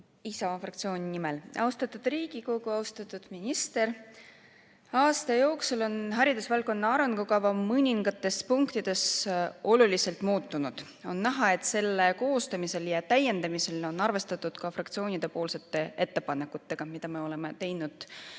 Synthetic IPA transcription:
isɑfrɑkt̪sio̞ːnʲinimelʔɑ̰wst̪ɑt̪ːˑud̪̥riːɡ̥iko̞ɡ̥uɑwst̪ɑt̪ːˑud̪̥minʲist̪e̞ɾ | ɑːst̪ɑjo̞ːksulo̞nɦɑɾid̪̥usvɑlkːˑo̞nːɑɑɾenɡ̥ukɑvɑmɯnʲiŋɡ̥ɑt̪ːˑe̞spuŋkt̪id̪̥e̞so̞lulise̞lt̪muːt̪ːunud̪̥ | o̞̰nːæɦɑe̞t̪se̞lːeko̞ːst̪ɑmise̞ljɑt̪æjːe̞nd̪̥ɑmise̞lo̞nɑrve̞st̪ɑt̪ːˑud̪̥kɑfrɑkt̪sio̞ːnid̪̥e̞po̞ːlse̞t̪ːe̞e̞t̪ːe̞pɑnekːˑut̪ːe̞ɡ̥ɑmid̪̥ɑme̞o̞le̞me̞t̪e̞jnud̪̥

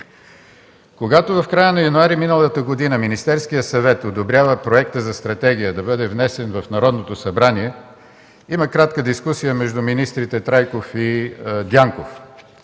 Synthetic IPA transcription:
koɡat̪ovɐfkɾajənɐjɐnuaɾiminəlˠət̪əɡod̪inəminist̪ɛɾskijəsɐvɛt̪od̪obɾʲjavəpɾoɛkt̪əzɐst̪ɾɐt̪ɛɡ̟ʲijəd̪ɐbɤd̪ɛvnɛsɛnvɐfnɐɾɔd̪not̪osɐbɾaniɛ | iməkɾat̪kəd̪iskusijəmɛʒd̪uminist̪ɾit̪ɛt̪ɾajkofid̪ʲjaŋkof

